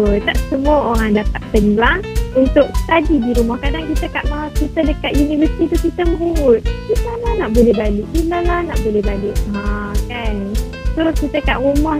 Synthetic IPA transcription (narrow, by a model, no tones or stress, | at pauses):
ət̪aʔsəmuaoɾaŋdapat̪̚tədilahunt̪ʊk̚st̪adidiɾumahkadaŋkit̪əkaʔmaakit̪ədəkat̪junivəst̪it̪ukit̪əmə̃ɦuwʊt̪̚ilalahnaʔbolɛhbalɪʔilalahnaʔbolɛhbalɪk̚ãkan | sokit̪əkaʔɾumah